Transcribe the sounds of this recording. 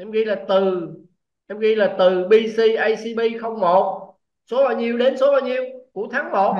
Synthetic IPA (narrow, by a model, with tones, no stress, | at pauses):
ʔɛ˧mɣḭ˧jlaː˨˩t̪ɨ˨˩ | ʔɛ˧mɣi˧laː˨˩t̪ɨ˨˩ɓi˧si˧ʔa˧jsi˧ɓi˧xə˧wŋ͡mmo˨˩t̚ | so˨˦laː˨˩ɲi˨˧əwɗe˨˦nso˨˦laː˨˩ɲi˨əwku˧˩ət̪ʰaː˨˦ŋmo˨˩t̚